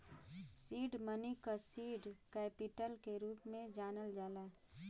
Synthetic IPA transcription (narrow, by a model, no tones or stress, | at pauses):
siːɖmənikasiːɖkɛːpiʈəlkeɾuːpmẽd͡ʒaːnəld͡ʒaːlaː